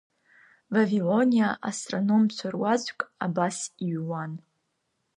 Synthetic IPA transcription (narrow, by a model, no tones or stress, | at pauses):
vavilo̞nijaʔastʼrono̞mt͡ɕʷʰarwazkʷʼabasiɥwan